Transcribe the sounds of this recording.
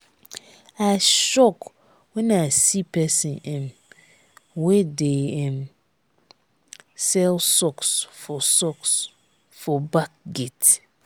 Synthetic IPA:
aʃɔk | wɛ̃nasipʰɛsɪ̃nɛ̃m | wɛdeɛ̃m | sɛlsɔksfɔsɔks | fɔbak̚ɡet

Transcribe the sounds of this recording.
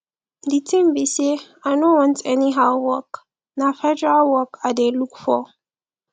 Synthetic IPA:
d̪itʰĩmbise | aɪnowɔ̃ntʼɛniɦawɔk | nafɛdawɔkadelːukʰu̥fɔ

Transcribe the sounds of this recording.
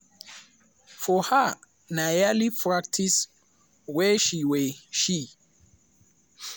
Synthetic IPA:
fɔha | najalipʰɹak̚tʰis | wɛʃiwɛʃi

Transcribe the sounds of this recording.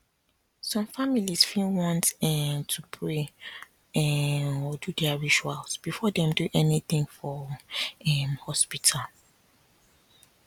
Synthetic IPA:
sɔ̃mfamilisfĩwɔ̃ntɛtʰupʰɹe | ɛɔdudɛaɹit͡ʃualsb̥ifɔdɛ̃mduʔɛniθĩŋfɔ | ɛmhɔspitʰal

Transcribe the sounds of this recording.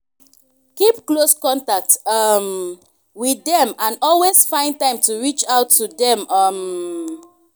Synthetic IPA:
kipkloskɔ̃ntak̚tʌm | wiθɛ̃mãnɔlwesfãɪ̃nd̚tãɪ̃mtuɹit͡ʃaʊtʰːudɛ̃mʌm

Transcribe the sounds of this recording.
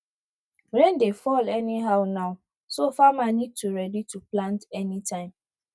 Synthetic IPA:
ɾẽndefɔlɛniɦaʊnaʊ | sofamanid̚tuɾɛdituplãntɛnitʰãɪ̃m

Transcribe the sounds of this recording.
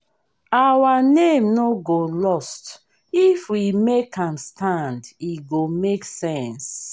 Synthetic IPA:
awanẽmnoɡolɔst | ifwimekãmstʰãndiɡomeksɛ̃ns

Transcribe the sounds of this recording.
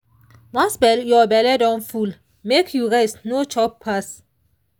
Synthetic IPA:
wãnsbɛljɔbɛlɛdɔ̃nful | mekʰjuɹesnot͡ʃɔppʰːas

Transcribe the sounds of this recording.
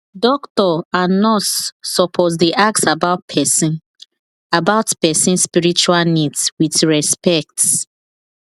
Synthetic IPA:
dɔktɔanɔsːɔpʰɔts̬deʔak̚sabaʊt̚pʰɛsĩn | abaʊtpɛsĩnspiɹit͡ʃualnidswitɹɛspɛk̚ts

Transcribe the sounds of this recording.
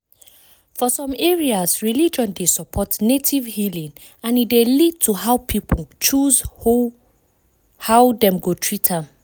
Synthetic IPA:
fɔsɔ̃mɛɹiazɹilid͡ʒɔ̃ndesɔpʰɔtnetʰivhilĩŋ | ãnidelid̚tʰuɦaʊpʰip̩ʰt͡ʃuzo | hawdɛ̃mɡotʰɹitʰam

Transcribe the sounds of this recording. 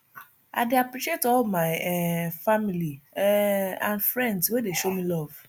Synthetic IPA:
a̰deapɾiʃetɔmajfamili | ãnfɹɛ̃ndswedeʃomĩlɔv̥

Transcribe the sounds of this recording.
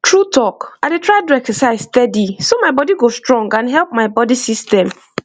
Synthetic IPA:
tʰɹutʰɔkaɪdetɹaɪtuɛkɔ̃saɪzstɛdisomaɪbɔdiɡostɹɔ̃ŋɡãnɦɛlp̚maɪbɔdisistɛ̃m

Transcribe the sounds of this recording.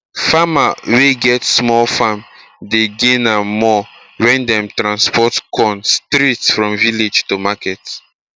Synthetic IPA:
famaweɡɛtsmɔlfam | deɡenamɔ | wɛ̃ndɛ̃mtɹãnspʰɔtkʰɔ̃nstɾitsfɹɔ̃mviled͡ʒtomakɛt

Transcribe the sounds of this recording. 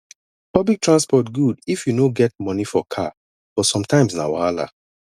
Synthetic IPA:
pɔblik̚tʰɹãnspɔtɡudifjunoɡɛt̚mɔnifɔkʰa | b̥ɔtsɔ̃mtʰãɪ̃msna̰waala̰

